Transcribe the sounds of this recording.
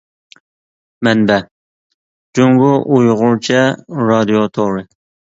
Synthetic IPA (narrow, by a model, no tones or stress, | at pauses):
mɛnbɛ | d͡ʒuŋɡʊʔujʁʊɾt͡ʃʰɛɾɑd̪ijot̪ʰoɾɨ